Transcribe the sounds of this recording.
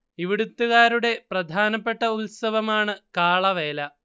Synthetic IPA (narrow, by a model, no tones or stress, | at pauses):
iʋiɽut̪ːuɣaːɾuɽe̞prɐd̪ʱaːnɐpːe̞ʈːɐutsɐʋɐmaːɳɨkaːɭɐʋeːlɐ